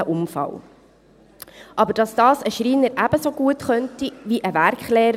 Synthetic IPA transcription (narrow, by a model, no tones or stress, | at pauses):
əʔʊmfɑ̰w | ʔɑbəɾd̥ɑsd̥̪ɑːsəʃɾiːnəɾʔæbəsoɡ̥uətχœntiʋiʔəvæɾkχlɛːɾ